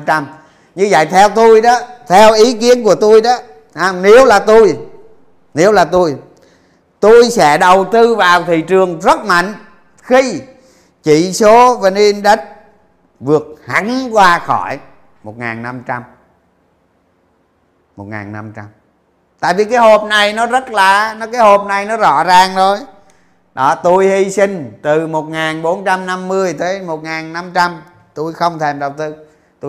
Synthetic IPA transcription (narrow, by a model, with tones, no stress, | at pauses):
a˧m | ɲɨ˧zə̰˧˨jt̪ʰɛ˧wt̪u˧jɗɔː˨˦t̪ʰɛ˧wʔi˨˦ki˨˦ənku˧˩ət̪u˧jɗɔ˨˦ | haː˧ne˨˦əwlaː˨˩t̪u˧j | ne˨˦əwlaː˨˩t̪u˧j | t̪u˧jsɛ̰˧˥ɗə˨˩wt̪ɨ˧vaː˨˩wt̪ʰi˨t͡ɕɨ˨˩əŋzə˦˥t̚ma̰˧˨jŋ̟ | xi˧ | t͡ɕḭ˧˨so˨˦va˨˩ne˧nɗə˦˥t̚ | vɨ˨˩ək̚ha̰˨˧˥ŋkwaː˧xɔ˧˩j | mo˨˩t̚ŋa̰ː˨˩nːa˧mt͡ɕa˧m | mo˨˩t̚ŋa̰ː˨˩nːa˧mt͡ɕa˧m | t̪a̰ː˧˨jvi˨˩kaː˨˦jɦo˨˩p̚na˨˩jnɔ˨˦zə˦˥t̚laː˨˩nɔ˨˦kaː˨˦jho˨˩p̚na˨˩jnɔ˨˦zɔ̰˧˥zaː˨˩ŋzʰo˧j | ɗɔ˨˦t̪u˧jhi˧sï˧ŋ̟t̪ɨ˨˩mo˨˩t̚ŋaː˨˩nɓo˨˦nt͡ɕa˧mna˧mːɨ˧əjt̪əː˨˦jmo˨˩t̚ŋaː˨˩nːa˧mt͡ɕa˧m | t̪u˧jxə˧wŋ͡mt̪ʰe˧˩mɗə˨˩wŋ͡mt̪ɨ˧˨ | t̪u˧